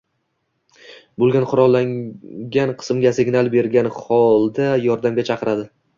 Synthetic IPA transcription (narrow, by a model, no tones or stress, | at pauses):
bolˠɡʲanqʰʊɾɒlˠːaŋɡʲanqʰɨ̥smɡʲasɪɡʲnalˠbe̞ɾɡʲanχɒlˠd̪ajɒɾd̪amɡʲat͡ʃʰɑqʰɨɾad̪ɪ